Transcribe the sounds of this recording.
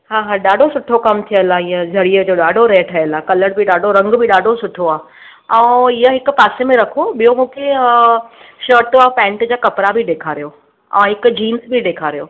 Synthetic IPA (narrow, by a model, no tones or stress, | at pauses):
ɦaːɦãɗaːɖʱosʊʈʰokɐmt̪ʰijəlaĩːə̃d͡ʑʱɐɽiəd͡ʑoːɗaːɖʱoɾeːʈʰɐəlaːkɐləɽbʱiɗaːɖʱoɾɐ̃ŋɡbʱɪɗaːɖʱosʊʈʰoaː | ɛ̃ːɪjəɦɪkʊ̆paːsemẽɾɐkʰoɓijomũːkʰe | ʃəːɾʈaːpɛ̃ːɳʈd͡ʑaːkɐpɾabʱiɗeːkʰaːɾijoː | ɛ̰̃ːɦɪkd͡ʑiːnsbʱiɗeːkʰaːɾijo̰ː